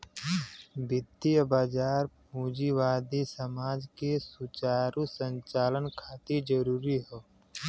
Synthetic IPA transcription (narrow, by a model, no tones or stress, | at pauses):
bɪd̪iəbaːd͡ʒaːɾpuːd͡ʒiʋaːd̪isəmaːd͡ʒkesut͡ʃaːɾusə̃ɲt͡ʃaːlənkʰaːt̪id͡ʒəɾuːɾiɦoː